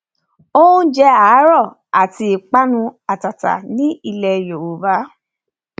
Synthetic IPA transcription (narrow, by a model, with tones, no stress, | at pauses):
o˦ũ˦d͡ʒɛ˧a˨˦ɾɔ˦˨ | a˨ti˧i˨k͡pa˦nũ˧a˨ta˨ta̰˨nĩ˨˦i˧lɛ˧jo˨wu˨ba˨˦